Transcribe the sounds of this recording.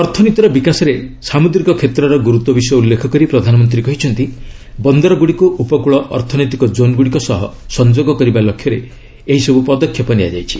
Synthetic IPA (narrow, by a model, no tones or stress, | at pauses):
ɔɾt̪ʰɔnit̪ɔɾɔbikasɔɾesamud̪ɾikɔkʰet̪ɾɔɾɔɡuɾut̪wɔbisɔjɔulːekʰɔkɔɾipɾɔd̪ʱanɔmɔnt̪ɾikɔɦit͡ʃʰɔnt̪i | bɔnd̪ɔɾɔɡuɽikuʔupɔkuɭɔʔɔ̰ɾt̪ʰɔnojt̪ikɔd͡ʒonɡuɽikɔsɔɦɔsɔnd͡ʒoɡɔkɔɾibalɔkʰːjɔɾe | eɦisɔbupɔd̪ɔkʰːjɔpɔnia̰d͡ʒajt͡ʃʰi̥